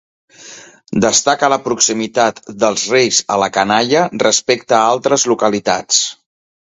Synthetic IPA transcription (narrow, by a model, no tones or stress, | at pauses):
d̪əst̪akələpɾuksimit̪at̪d̪əlˠzrejzələkənaʎərəspekt̪əːalˠt̪ɾəzlukəlit̪a̰t͡s